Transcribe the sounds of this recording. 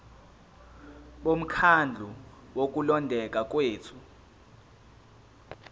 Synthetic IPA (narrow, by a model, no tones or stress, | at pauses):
ɓom̩kʰand͡ɮʱu | wok̬ulɔndʱɛk̬ʼak̬ʼweːt͡sʰu